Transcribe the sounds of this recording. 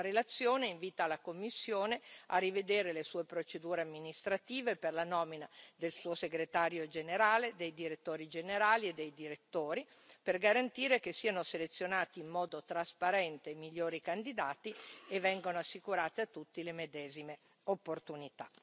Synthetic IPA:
ɾelat̪sːjoːneiɱviːt̪alakomːisːjoːnea̰rived̪eːɾelesuːepɾot͡ʃed̪uːɾeamːinist̪ɾat̪iːveperlanɔːminad̪elsuːoseɡɾet̪aːɾjod͡ʒeneɾaːled̪ejd̪iɾet̪ːoːɾid͡ʒeneɾaːlied̪ːejd̪iɾet̪ːoːɾi | perɡaɾant̪iːɾekesiːanoselet̪sːjonaːt̪iːmːɔːd̪ot̪ɾaspaɾɛnt̪eːmːiʎːoːɾikand̪id̪aːt̪ievːɛŋɡonoasːikuɾaːt̪eat̪ːut̪ːilemed̪ɛːzime | opːort̪unit̪a

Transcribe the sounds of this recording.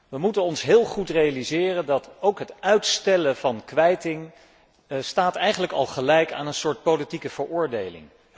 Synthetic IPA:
ʋəmutənɔnsɦɪːlˠχutrejalizɪːrəndɑtowkɦətœɥtstɛləvɑnkʋɛjtɪŋ | staːtɛjχənləkɑ̰lˠχəlɛjka̰ːnənsʊːɹt̚powlitikəv̥əɹʊːɹdejlɪ̰ŋ

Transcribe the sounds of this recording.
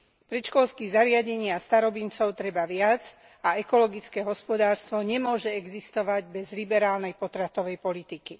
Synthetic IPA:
pɾɛt͡ʃkɔlskiɣzaɾɪaɟɛɲɪast̪aɾɔbint͡sɔʊt̪ɾɛbaʋɪad͡z | aɛkɔlɔɡit͡skɛːɦɔspɔd̪aːɾst̪ʋɔɲɛmʊɔʒɛɛɡzist̪ɔʋaɟbɛzlibɛɾaːlnɛjpɔt̪ɾat̪ɔʋɛjpɔlit̪iki

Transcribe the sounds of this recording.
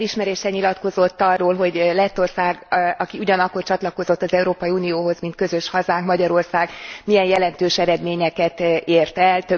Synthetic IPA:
liʃmɛɾeːʃɛɲilɒt̪ko̞zo̞t̪ːɒrːoːlɦo̞ɟlɛt̪ːo̞rsaːɡɒkiuɟɒnɒkːo̞rt͡ʃɒt̪lɒko̞zo̞t̪ːɒzɛuɾoːpɒiunioːɦo̞zmint̪̚køzø̞ʃhɒzaːŋkmɒɟɒɾo̞rsaːɡmijɛnjɛlɛnt̪øːʃɛɾɛd̪meːɲɛkɛt̪eːrt̪ɛlt̪ø

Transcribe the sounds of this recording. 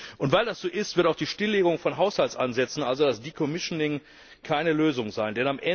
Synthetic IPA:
ʔʊntv̥aɪldasz̥oːʔɪstv̥ɪɐtaʊd̥iːʃtɪlːeːɡʊŋfɔnɦaʊshaltsʔanzɛt͡sn̩ʔalzodasd̥iːkʰomɪʃnɪŋ | kʰaɪnəløːzʊŋzaɪndɛnamʔɛ

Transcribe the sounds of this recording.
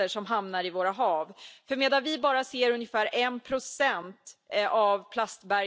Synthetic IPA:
əʂɔmɦamnaɾɪvoːɾaɦɑːvfœɾmeːd̪anvɪbɑːɾaseːɾɵnjəfæːɾɛnpʰɾʊsɛnt̪avpʰlast̪bæɾ

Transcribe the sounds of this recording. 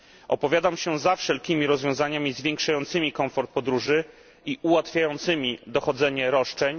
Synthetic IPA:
ʔɔpɔvʲjad̪amɕɛzafʂɛlkʲimʲiɾɔzvʲjɔ̃zaɲamʲizvʲjɛŋkʂajɔnt̪sɘmʲikɔ̃mfɔɾt̪̚pɔd̪ɾuʐɘ | iʔuwat̪fʲjajɔnt̪sɘmʲid̪ɔxɔd̪zɛɲɛɾɔʂt͡ʂɛɲ

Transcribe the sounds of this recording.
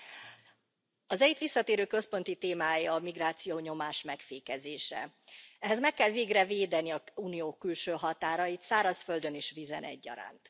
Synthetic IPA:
ɒzɛjit̪ʋisːɒt̪eːɾøːkø̞spo̞nt̪it̪eːmaːjɒmiɡraːt̪sijoːɲo̞maːʃmɛkfeːkɛzeːʃɛ̰ | ɛɦɛzmɛkːɛlveːɡrɛveːd̪ɛniɒuːnijoːkylʃøːɦɒt̪aːɾɒjit̪saːɾɒsfø̞ld̪ø̞niʃvizɛ̰nʔɛ̰ɟːɒ̰ɾa̰ːnt̪

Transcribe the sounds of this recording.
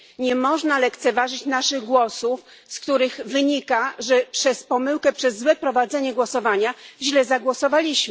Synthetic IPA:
ɲɛmɔʐnalɛkt̪sɛvaʐɘt͡ɕnaʂɘɣɡwɔsuf | skt̪uɾɘɣvɘɲikaʐɛpʂɛspɔmɘwkɛpʂɛzːwɛpɾɔvad̪zɛɲɛɡwɔsɔvaɲaʑlɛzaɡwɔsɔvalʲiɕm

